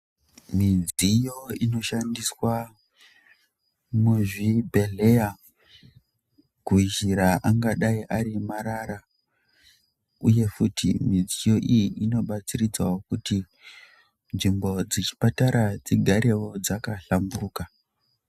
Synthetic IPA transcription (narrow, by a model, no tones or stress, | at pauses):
mid͡zijo̞ino̞ʃandiswa | muʐibʱe̞ɮe̞ja | kuiʒiɾaʔaŋɡaɗaiʔaɾimaɾaɾa | uje̞futʰimid͡zijo̞ʔijiino̞ɓat͡sirid͡zwa̰okuti | nʐimbo̞d͡zit͡ʃi̥pataɾad͡ziɡʱaɾe̞wo̞d͡zakaɬamburuːka